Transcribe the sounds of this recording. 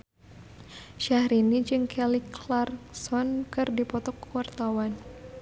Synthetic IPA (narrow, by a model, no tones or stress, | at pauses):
ʃahɾinid͡ʒɨŋkʰɛliklarsɔnkɨrdipɔt̪ɔkuwart̪awan